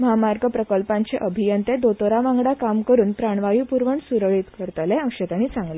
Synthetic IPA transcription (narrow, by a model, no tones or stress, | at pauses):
məɦamaɾɡəpɾəkəlpãɲt͡seʔəbʱijənt̪ed̪ot̪oɾaʋaŋɡɽakamkəɾuːnpɾaɳ̃ʋajupuɾʋəɳsuɾəɭiːt̪kəɾt̪leə̃kɕət̪añiːt͡sãŋɡle